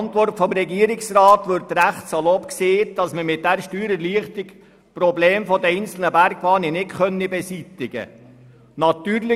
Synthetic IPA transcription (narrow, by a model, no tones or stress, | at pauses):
nt̪ʋɔrtfɔmɾɛɡiːəɾɪksɾɑːt̪ʋʏɾtɾæχtsɑlɔpkseːt̚d̥ɑsməmɪt̚d̥æɾʃtyːɾəɾliəχtɪk | prɔbleːmfɔd̪əɛnsl̩nəbæɾɡʋɑːninɪtχœnːibɛsit̪ɪɡə̰ | nɑt̪yːɾlɪ